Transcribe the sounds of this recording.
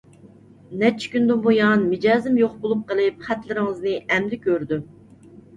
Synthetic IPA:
nɛt͡ʃʰɪ̥kʲynd̪ɪnbojɑnmɪd͡ʒɑːzɪmjoχbolˠup̚qəlˠɪpχæt̪lɪɾɪŋɨznɪʔɛmd̪ɪkʲʰøɾd̪ym

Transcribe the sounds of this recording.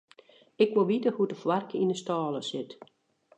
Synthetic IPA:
ɪkʋoʋitəhudəfwarkəinəstɔːləsɪt

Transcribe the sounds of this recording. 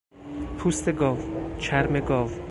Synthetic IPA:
pʰust̪eɡɒːvt͡ʃʰæɾmeɡɒːv

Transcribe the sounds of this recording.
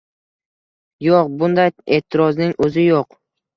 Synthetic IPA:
joqbʊnd̪aje̞t̪ʰːɪɾɒznɪŋɵzɪjoq

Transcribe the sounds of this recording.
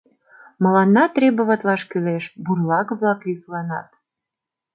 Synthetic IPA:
mə̆lɑnːɑt̪rebəβət̪lɑʃkyleʃburlɑɣβlɑkjyklɑnɑ̰t̪

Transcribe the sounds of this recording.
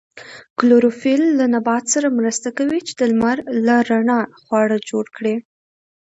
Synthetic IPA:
kloɾofilːanabɑt̪saɾamɾəst̪akawit͡ʃe̥d̪əlmaɾlaɾaɳɑxwɑɽəd͡ʒoɽkɽe

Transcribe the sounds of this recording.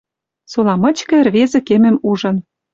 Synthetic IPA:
solɑmɤ̆t͡ɕkɤ̆ĕrβezĕkemɘ̆muʒɤ̆n

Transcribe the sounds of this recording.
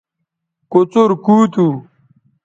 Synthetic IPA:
kot͡soɾkuːt̪u

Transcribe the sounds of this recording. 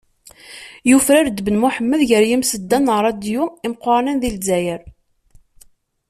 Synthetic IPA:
jufɾæɾd̪ːbənmuħəmːəðʝəɾjimsəd̪ːænəʁɾˤɑd̪juimqəɾˤnænðilzæjəɾ

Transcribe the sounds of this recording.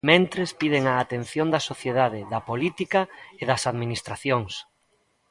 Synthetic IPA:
mẽnt̪ɾespiðeŋaːt̪en̟θjond̪ɐsoθjeðað̞ɪðɐpolit̪ikɐeðɐsaðminist̪ɾaθjoŋs

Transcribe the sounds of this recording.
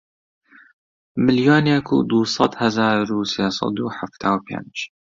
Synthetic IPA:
mɪljoːnɛkʰṵːd̪uːsˤɑd̪hɐzaːɾuːseːsˤɑ̰d̪uːħaft̪ʰaːwpʰḛnd͡ʒ

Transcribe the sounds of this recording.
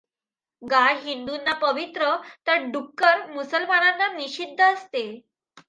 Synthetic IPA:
ɡajɦind̪unːapəʋit̪ɾət̪əɾɖukːəɾmusəlmananːaniɕid̪ʱːəːst̪e

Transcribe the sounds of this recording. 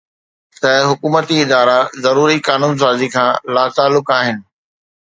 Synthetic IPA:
t̪ɐɦʊkuːmət̪iɪd̪aːɾazɐɾuːɾikaːnũːns̬aːzikʰãːlaːt̪aːlːʊkaːɦɪnɪ̆

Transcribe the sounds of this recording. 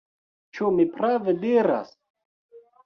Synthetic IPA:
t͡ʃumipɾaved̪iɾa̰s

